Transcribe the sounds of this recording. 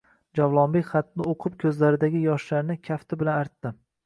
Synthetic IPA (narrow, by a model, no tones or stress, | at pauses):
d͡ʒavlˠɒnbekʲχɑt̪nɪoqʰɨp̚kʲʰɵzlaɾɪd̪aɡʲɪjɒʃlaɾnɪkʲʰaft̪ʰɪbɪlanaɾt̪ːɪ